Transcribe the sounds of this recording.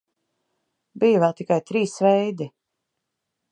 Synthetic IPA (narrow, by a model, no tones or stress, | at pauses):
bijuvɛlˠt̪ikajt̪ɾiːsvɛjd̪i